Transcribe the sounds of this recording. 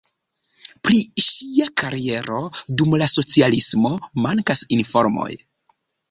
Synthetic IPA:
pɾiʃiakaɾie̞ɾo̞dumlaso̞t͡sialismo̞maŋkasinfo̞ɾmo̞̰j

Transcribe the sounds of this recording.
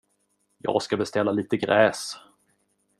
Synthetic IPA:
jɑ̰ːɡskabɛst̪ɛlːaliːt̪əɡɾɛːs

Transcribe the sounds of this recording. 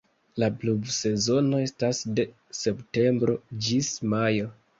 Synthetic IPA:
laplubse̞zo̞no̞e̞stasde̞ | se̞pte̞mbɾo̞d͡ʒismajo̞

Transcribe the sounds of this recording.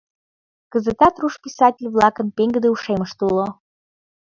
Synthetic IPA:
kəzət̪ɑt̪ruʃpʲisɑtʲɪlʲβlɑkənpeŋɡəd̪euʃeməʃt̪ulo

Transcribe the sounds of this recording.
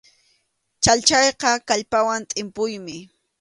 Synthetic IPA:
t͡ʃaʎt͡ʃɑjqɑkaʎpawant̪ʼɪmpʊjmɪ

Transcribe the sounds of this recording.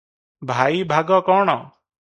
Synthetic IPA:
bʱaːiːbʱaːɡɔːkɔːɳ̃ɔː

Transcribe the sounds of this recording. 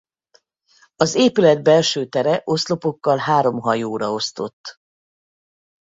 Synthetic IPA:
ɒzeːpylɛd̪̚bɛlʃøːt̪ɛɾɛʔo̞slo̞po̞kːɒlɦaːɾo̞mɦɒjoːɾɒo̞st̪o̞̰t̪ː

